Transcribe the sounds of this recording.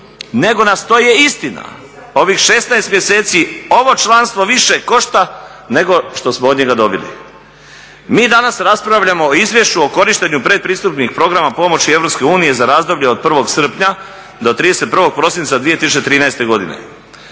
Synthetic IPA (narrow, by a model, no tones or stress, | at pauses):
ne̞ɡo̞nast̪ojeist̪ina̰ | o̞ʋixʃe̞st̪naest̪mjese̞ːt̪sio̞ʋo̞t͡ʃlˠanst̪ʋoʋiʃeko̞ʃt̪a | ne̞ɡo̞ʃt̪o̞smood̪ɲe̞ɡad̪o̞bilḭ | miːd̪anasɾaspɾaʋʎamoːizʋje̞ʃt͡ɕuo̞ko̞ɾiʃt̪e̞ɲupɾe̞d̪̚pɾiːst̪upnixpɾo̞ɡɾamapo̞mo̞t͡ɕie̞vɾo̞pske̞uːnije̞zaɾaːzd̪o̞bʎeod̪̚pr̩ʋo̞ɡsr̩pɲa | d̪o̞t̪ɾiːd̪e̞se̞t̪̚prʋoɡ̚pɾo̞sint̪sad̪ʋije̞t̪isut͡ɕet̪ɾiːnaest̪e̞ɡo̞d̪ḭnḛ